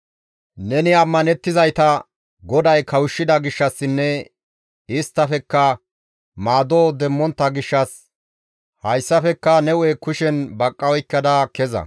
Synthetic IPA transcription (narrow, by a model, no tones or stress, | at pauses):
nɛnɪɐmːɐnɛt̪ːɪzɐjt̪ɐ | ɡɔd̪ɐjkʰɐwʊʃːɪd̪ɐɡɪʃːɐsːɪnːɛ | ɪst̪ːɐfɛkːɐ | maːd̪oːd̪ɛmːɔnt̪ːɐɡɪʃːɐs | hɐjsːɐfɛkːɐnɛwɛkʊʃɛnbɐkʼːɐwɔjkːɐd̪ɐkɛzɐ̰